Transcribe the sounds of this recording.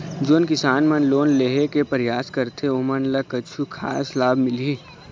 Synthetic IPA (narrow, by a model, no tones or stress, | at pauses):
d͡ʒoːnkɪsaːnmɐnloːnleːɦekepɐɾjaːskɐɾt̪ʰeomənlɐkɐt͡ʃʰukʰaːslaːbmɪli